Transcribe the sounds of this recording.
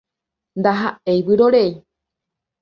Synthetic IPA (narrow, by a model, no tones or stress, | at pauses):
nd̪aɦae̞jβɨɾoɾei